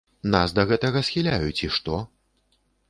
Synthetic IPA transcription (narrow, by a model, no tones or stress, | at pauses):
nasd̪ɐɣɛt̪ɐɣɐsʲxʲilʲajut͡sʲiʂt̪ɔ